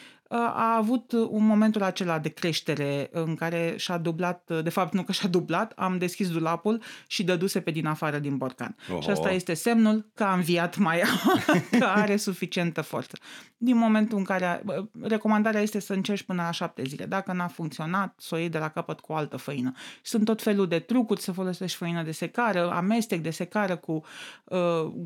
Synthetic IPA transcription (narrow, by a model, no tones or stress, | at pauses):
əa̰ːvut̪unmo̞me̞nt̪ulat͡ʃe̞lad̪e̞kɾe̞ʃt̪e̞ɾe̞ɨŋkaɾe̞ʃad̪ublat̪̚d̪e̞fap̚t̪nukəʃad̪ublat̪a̰md̪e̞skʲis̬d̪ulapulʃid̪əd̪use̞pe̞d̪inafaɾəd̪inbo̞rka̰nʃiəst̪aje̞st̪e̞se̞mnulkəamviat̪majakəaɾe̞sufit͡ʃie̞nt̪əfo̞̰rt̪sə̥d̪inmo̞mẽ̞nt̪uɨŋkaɾeəre̞ko̞mand̪aɾeajest̪e̞səɨnt͡ʃe̞rʃʲpɨnəlaʃap̚t̪e̞zile̞̰d̪akənafuŋkt̪sio̞nat̪so̞jed̪e̞lakapət̪kuoalt̪əfəinəsunt̪ːo̞t̪fe̞luld̪e̞t̪ɾukurʲsəfo̞lo̞se̞ʃt̪fəinəd̪e̞se̞kaɾəa̰me̞st̪ik̚d̪e̞se̞kaɾəkuə